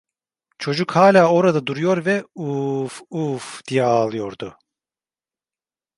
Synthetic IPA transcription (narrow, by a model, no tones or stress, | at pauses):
t͡ʃʰo̞d͡ʒukhaːlʲaːo̞ɾad̪ad̪uɾujo̞ɾvɛufufd̪̥ijɛaːlˠɯjo̞ɾd̪ʊ